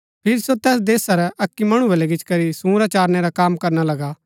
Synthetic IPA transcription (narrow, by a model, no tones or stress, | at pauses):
pʰɪɾsot̪ɛːs̬d̪eːsaɾɛʔɐkːimɐɽ̃ubɐlɛɡɪt͡ʃkɐɾisũːɾat͡ʃaːɾnɛɾakaːmkɐɾnalɐɡaː